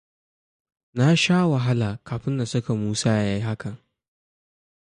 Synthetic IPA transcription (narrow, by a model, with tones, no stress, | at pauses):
na˦ʃaː˦wɐ˨ɦa˦laː˨kaː˨ɸɪ˦nda˨sʊ˦ka˨muː˦saː˦ja˦ja˦ji˦ɦa˦kɐ˨ŋ